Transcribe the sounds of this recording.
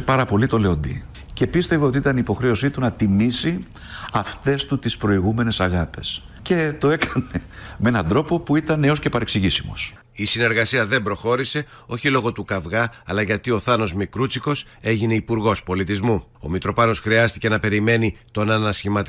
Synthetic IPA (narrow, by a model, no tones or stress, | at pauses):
pɐɾɐpo̞lit̪o̞le̞o̞nd̪ḭ | ce̞pist̪e̞voot̪iit̪ɐnipo̞xɾe̞o̞sit̪unɐt̪imisi | ɐft̪e̞st̪ut̪ispɾo̞iɣume̞ne̞sɐɣɐpe̞s | ce̞t̪o̞e̞kʰɐne̞meenɐnd̪ɾo̞po̞puit̪ɐneo̞sce̞pɐɾe̞ksiʝisimos | isine̞ɾɣɐsiɐðe̞mbɾo̞xo̞ɾise̞ | o̞çilo̞ɣo̞t̪ukɐvɣɐːlɐʝɐt̪io̞θɐno̞zmikɾut͡siko̞s | e̞ʝine̞ipuɾɣo̞spo̞lit̪izmuo̞̰mit̪ɾo̞pɐno̞sxɾiɐst̪ice̞nɐpe̞ɾime̞nit̪o̞nɐnɐsçimɐt̪